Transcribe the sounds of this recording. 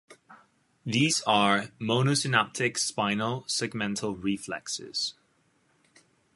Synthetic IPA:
ðiːzəɹmoʊnəsɪnap̚tʰɪkspãɪ̃nəlˠsɛɡ̚mɛ̃ntʰəl̩ˠɹiflɛ̰ksɪ̰z̥

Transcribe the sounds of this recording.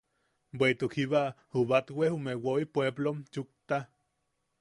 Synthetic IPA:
bʷet̪ukhiβahuβat̪wehumewoipweblomt͡ʃuk̚t̪a

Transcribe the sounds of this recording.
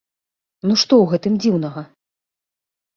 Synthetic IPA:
nuʂt̪ɔwɣɛt̪ɨmd͡zʲiwnɐɣɐ

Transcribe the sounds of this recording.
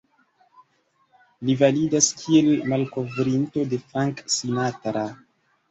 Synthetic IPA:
livalidaskʰielmalko̞vɾinto̞de̞fɾaŋksinatɾa

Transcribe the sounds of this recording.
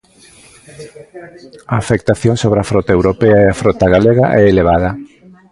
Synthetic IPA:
aːfek̚t̪aθjoŋsoβɾafɾɔt̪aewɾopɛaeafɾɔt̪aɣaleɣaʔɛeleβaðɐ

